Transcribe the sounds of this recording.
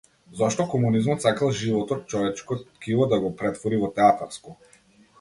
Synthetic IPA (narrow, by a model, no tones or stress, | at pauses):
zɔʃt̪ɔkɔmunizmɔt̪sakalˠʒivɔt̪ɔt̪̚t͡ʃɔvɛt͡ʃkɔkilˠɔd̪aɡɔpɾɛt̪vɔɾivɔt̪ɛat̪aɾskɔ